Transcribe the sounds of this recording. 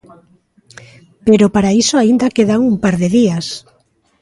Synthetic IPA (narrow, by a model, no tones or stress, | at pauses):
peɾopaɾaisoaind̪akeðaŋumpaɾðeðias